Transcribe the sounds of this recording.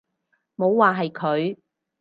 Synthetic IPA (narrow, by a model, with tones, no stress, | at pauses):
mo˨˧wːaː˨ɦɐ˨jkʰɵ˨˧ɥ